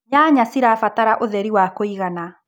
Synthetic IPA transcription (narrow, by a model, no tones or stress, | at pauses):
ɲaːɲasiɾafataɾaʔoðɛɾiwakoiɣana